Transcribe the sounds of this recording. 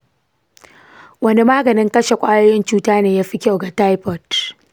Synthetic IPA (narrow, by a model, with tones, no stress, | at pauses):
wɐ˦ne˦maː˦ɡɐ˨nɪ˦ŋkɐ˦ʃe˨kʷʼaː˦jo˦jɪ˦nt͡ʃuː˦taː˦neː˨jaː˦ɸi˦kʲa˦˨wɡa˨ta˦jpɔ˨t